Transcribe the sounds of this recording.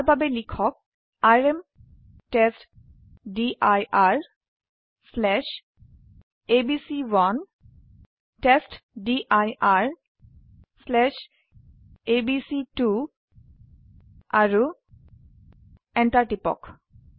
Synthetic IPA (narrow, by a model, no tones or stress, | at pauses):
ɹbʱabelikʰɔk̚ | aɹem | test | diʔajaɹ | slɛʃ | ebisiwan | testdiʔajaɹ | slɛʃ | ebisitu | aɹu | ɛnʈaɹʈipɔ̰k